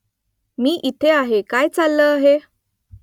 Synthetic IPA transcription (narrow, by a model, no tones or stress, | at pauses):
miːʔit̪ʰeaɦekajt͡salːəːaɦe